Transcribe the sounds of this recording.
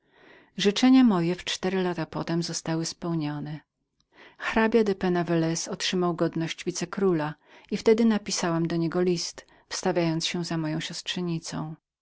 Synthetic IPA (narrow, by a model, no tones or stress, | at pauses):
ʐɘt͡ʂɛɲamɔjɛft͡ʂt̪ɛɾɘlat̪apɔt̪ɛmzɔst̪awɘspɛwɲɔnɛ | xɾabʲjad̪ɛpɛnavɛlɛsɔtʂɘmawɡɔd̪nɔɕd͡ʑvʲit̪sɛkɾulaift̪ɛd̪ɘnapʲisawamd̪ɔɲɛɡɔlʲist̪ | fst̪avʲjajɔnt̪sɕɛzamɔjɔ̃w̃ɕɔstʂɛɲit̪sɔ̃w̃